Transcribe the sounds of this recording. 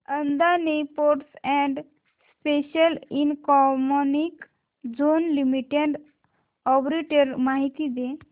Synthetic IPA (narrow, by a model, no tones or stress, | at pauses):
ənd̪anepoɾʈsɛ̃ɳɖ | speɕəlinkɔmonik | d͡zonlimiʈeɖ | ɔpɾeʈəɾmaɦit̪id̪e